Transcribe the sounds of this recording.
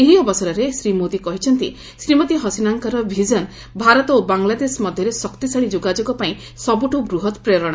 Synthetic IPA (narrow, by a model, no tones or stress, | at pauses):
eɦiɔbɔsɔɾɔɾesɾimod̪ikɔɦit͡ʃʰɔnt̪i | sɾimɔt̪iɦɔsinaŋkaɾɔbʱid͡ʒɔn | bʱaɾɔt̪ɔobaŋlad̪esmɔd̪ʱjɔɾesɔkt̪isaɽid͡ʒoɡad͡ʒoɡɔpaĩ | sɔbuʈubɾuɦɔt̪pɾejɾɔɽ̃ɔ